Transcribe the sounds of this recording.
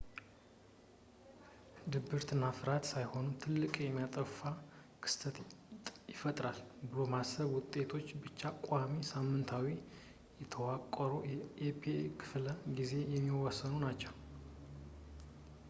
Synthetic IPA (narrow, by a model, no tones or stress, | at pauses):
d̪ɨbɨɾt̪ʰɨnːafɨɾat̪sajho̞nut̪ʰɨlːɨkʼjɛmːijat̪ʼəfakʰɨ̥st̪ʰət̪ʼjɪfət̪ʼɾalbɨlo̞masəβwʊt̪ʼːe̞t̪ʰo̞t͡ʃːbɨt͡ʃːakʷʼamisamːɨnt̪ʰawi | jɛt̪ʰəwakʼəɾoʔepʰekʰɨ̥fləɡize̞jɛmːiwɔsːənunat͡ʃːɛw